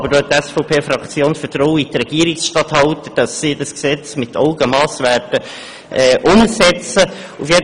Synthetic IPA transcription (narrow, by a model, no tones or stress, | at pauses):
bədɔt̪ːɛsfɔʊpʰeːfrɑkt͡sjoːnsfətrɔwitrɛɡ̥iəɾiksʃtɑthɑltəd̥ɑsːidɑsksɛt͡smɪtʰɔʊɡəmɑːsʋæːrtə | ʔɛːʔʊmsɛt͡sə | ufjed